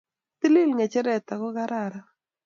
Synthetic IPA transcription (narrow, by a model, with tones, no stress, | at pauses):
t̪i˦li˦lŋa˨t͡ʃɛ˦ɾɛ˨t̪a˨kɔ˦ka˦ɾa˨ɾa˦